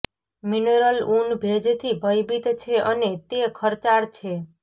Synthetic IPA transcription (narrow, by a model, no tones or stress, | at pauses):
mineɾəlunbʱed͡ʒt̪ʰibʱəjbit̪t͡ʃʰeʔənet̪ekʰəɾt͡ʃaɽt͡ʃʰe